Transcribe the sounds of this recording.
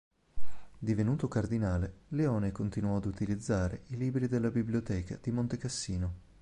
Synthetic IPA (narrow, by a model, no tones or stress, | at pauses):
d̪ivenuːt̪okard̪inaːleleɔːnekont̪inwɔad̪ut̪ilid̪zːaːɾḛʔiliːbɾid̪elːabiblijot̪ɛːka̰d̪̥imont̪ekasːiːno